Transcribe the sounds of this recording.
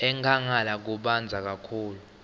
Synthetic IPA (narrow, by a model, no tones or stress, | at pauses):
ɛŋʱaŋalak̬uɓand͡zʱak̬akʰuːlu